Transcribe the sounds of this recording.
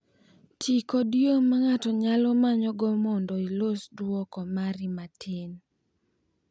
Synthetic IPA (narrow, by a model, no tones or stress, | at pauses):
tʰikɔdjomaŋatɔɲalɔmaɲɔɡɔmɔndɔilosdwɔkɔmaɾimatʰɪn